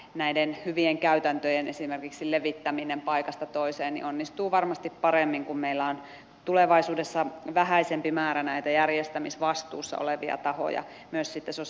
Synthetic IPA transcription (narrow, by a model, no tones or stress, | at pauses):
næidenhyʋieŋkæyt̪ænt̪øjenʔesimerkiksileʋit̪ːæminempɑikɑst̪ɑt̪oiseːnnḭonːist̪uːʋɑrmɑst̪ippɑremːiŋkummeilːˑæon | t̪uleʋɑisuːdesːɑʋæhæisempimæːɾænæit̪æjærjest̪æmisʋɑst̪ṵːsːɑ̰ʔo̰leʋḭɑ̰t̪ɑho̰jɑ̰ | myøssit̪ːeso